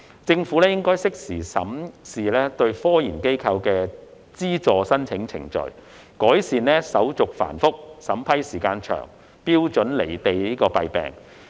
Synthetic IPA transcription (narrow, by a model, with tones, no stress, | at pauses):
t͡sɪ˧ŋfuː˨˥lɛː˥jɪ˥ŋkɔː˥jsɪ˥k̚siː˨˩sɐ̰˨˥msiː˨lɛː˥t̪ɵ˧ɥfɔː˥jiː˨˩nke˥jkʰɐ˧wkɛː˧ | t͡siː˥t͡sɔː˨sɐ˥nt͡sʰɪ˨˥ŋt͡sʰɪ̰˨˩ŋt͡ʃɵ̰˨˩ɥ | kɔː˨˥jsiː˨nlɛː˥sɐ˨˥wt͡sʊ˨k̚fa̰ː˨˩nfʊ˥k̚sɐ˨˥mpʰɐ˥jsiː˨˩kaː˧nt͡ʃʰœ̰ː˨˩ŋ | piː˥wt͡ʃɵ˨˥nle˨˩jt̪e˨jliː˥kɔː˧pɐ˨jpɛ̰ː˨˩ŋ